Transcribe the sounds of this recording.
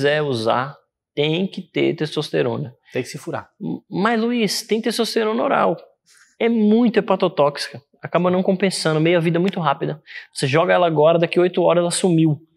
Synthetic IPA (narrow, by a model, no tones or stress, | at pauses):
zɛuza̰ | t̪ẽj̃kɪt̪eɾt̪est̪ost̪eɾõ̰nɐẽj̃kɪsɪfuɾa̰mɐzluist̪ẽj̃kt̪est̪ost̪eɾõno̰ɾa̰w | ɛmũj̃t̪ʊepat̪ot̪ɔksi̥kɐ | akabɐnɐ̃w̃kõpẽsɐ̃nd̪ʊmejʊɐvid̪ɐmũj̃t̪ʊɦapid̪ɐvoseʒɔɡɐɛlɐaɡɔɾɐd̪akiojt̪ʊɔɾɐzɛlɐsumiw